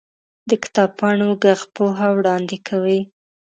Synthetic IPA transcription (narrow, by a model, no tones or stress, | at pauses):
d̪əkɪ̥t̪ɑb̚pʰɑnoɡaɣpoɦawɽɑnd̪ekʰawi